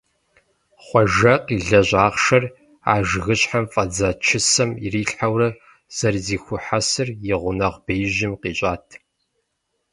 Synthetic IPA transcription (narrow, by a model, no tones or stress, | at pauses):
χʷɔʒɐqiːɮɐʑaːʁʃɐr | a̰ːʒɣɨɕʼħamfʼɐd͡zaːt͡ʃʰɪsɐmḭriːɬħawrɐ | z̥ɐrziːxʷʊħasɨrjɪʁʷʊnɐʁb̥ejʒɪmqiːɕʼaːtʰ